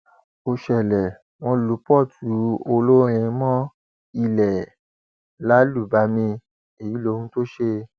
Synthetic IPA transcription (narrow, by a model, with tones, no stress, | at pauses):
o˧ʃɛ˨lɛ˨ | w̃ɔ̃˧lu˨˦pɔ˦˨tʰu˨˦o˧lo˦ɾ̃ĩ˧mɔ̃˦ | i˧lɛ˨ | la˨˦lu˦˨ba˨˦mĩ˧ | e˨ji˨˦lo˧˦hũ˧˦to˦ʃe˧